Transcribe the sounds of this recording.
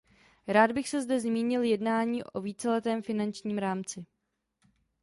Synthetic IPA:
ɾaːd̪bɪxsɛzdɛzmiːɲɪljɛdnaːɲiːʔoviːt͡sɛlɛt̪ɛːmfɪnant͡ʃɲiːmɾaːmt͡sɪ

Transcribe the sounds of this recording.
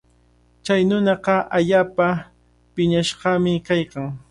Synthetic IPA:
t͡ʃajnʊnɑqɑʔaʎaːpa | pɪɲaʃɢɑmɪkajkaŋ

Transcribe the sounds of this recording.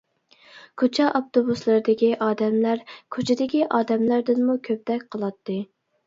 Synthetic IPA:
kʰot͡ʃʰɛʔɑp̚t̪obuslˠɨɾɨd̪ɪkʲiʔɑːd̪ɛmlæɾkʰot͡ʃʰɪd̪ɪkʲiʔɑːd̪ɛmlæɾd̪ɪnmukʲʰøp̚d̪ɛk̚ʲqʰəlˠɑt̪ːɨ

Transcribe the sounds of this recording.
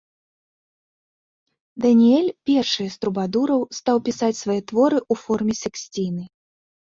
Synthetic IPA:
d̪ɐnʲiɛlʲpʲɛrʂɨjɐst̪ɾubad̪uɾɐwst̪awpʲisat͡sʲsvajɛt̪vɔɾɨʔufɔrmʲɛsʲɛksʲt͡sʲinɨ

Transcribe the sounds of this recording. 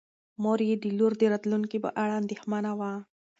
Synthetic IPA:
moɾid̪iluɾd̪iɾɐt̪lunkibɐ̰ʔaɭand̪ihmanaʋaː

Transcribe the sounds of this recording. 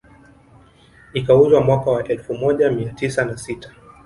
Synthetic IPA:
ikauzwamwakawaʔɛlfumɔʄamiatisanasitḁ

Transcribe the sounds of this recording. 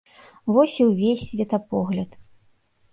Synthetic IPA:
vɔsʲiwvʲesʲsʲvʲɛt̪ɐpɔɣlʲɐt̪

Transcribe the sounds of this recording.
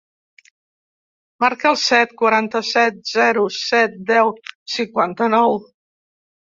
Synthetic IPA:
maɾkəlˠsɛt̪kwəɾant̪əsɛt̪̚zɛɾusɛt̪̚d̪ɛwsiŋkwant̪ənɔw

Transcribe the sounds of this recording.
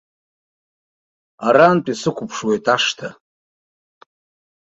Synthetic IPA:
aɾantʼisɨkʷʰʊpʰʂwejtʼaʂtʰa

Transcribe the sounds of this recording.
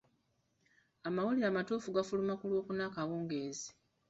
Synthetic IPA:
amawuliɾaːmatuːfuɡafulumakulwo̞ːkunaːkawuːŋɡeːzi̥

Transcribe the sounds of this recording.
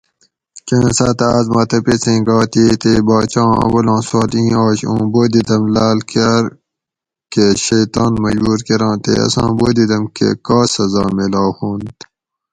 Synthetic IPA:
t͡ʃẽnsaːt̪aːzmɐːt̪ɐpet͡sẽːɡaːt̪iːt̪eːbaːt͡ɕãːɐ̰wɐlãːsoːlĩːaːɕõ̰ːboːd̪id̪ɐmlaːlkaɾ | keɕɐjt̪aːnmɐʑuːɾkeɾãːt̪ḛɐ̰sã̰ːboːd̪id̪ɐmkḛkaːsɐzaːmelaːhõːnt̪

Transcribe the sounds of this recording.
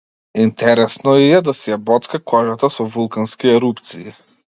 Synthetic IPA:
int̪ɛɾɛsnɔiɛd̪asɛjabɔt̪kakʰɔʒat̪asɔvulˠkanskiɛɾupt̪siː

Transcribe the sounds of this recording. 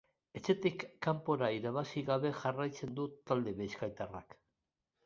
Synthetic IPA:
e̞t͡se̞t̪ikːampo̞ɾaiɾaβasiɣaβe̞ʝarajt͡se̞nd̪ut̪ald̪e̞βejskajt̪arak

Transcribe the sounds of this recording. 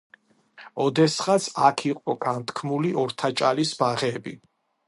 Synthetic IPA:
ɔd̪ɛsχasakʰiqʼɔɡant̪ʰkʰmuliɔɾt̪ʰat͡ʃʼalisbaʁɛbḭ

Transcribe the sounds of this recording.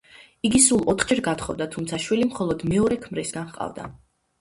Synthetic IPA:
iɡisulˠɔt̪ʰχd͡ʒɛɾɡat̪ʰχɔvd̪at̪ʰumt̪sʰaʃwilimχɔlˠɔd̪mɛɔɾɛkʰmɾisɡanχqʼa̰vd̪a̰

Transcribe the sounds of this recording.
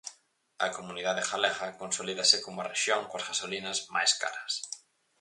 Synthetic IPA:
ɐ̰komuniðaðexalɛɣɐkonsoliðɐsɪkomʊɐreʃjoŋkoɐzɣasolinɐzmajska̰ɾɐs

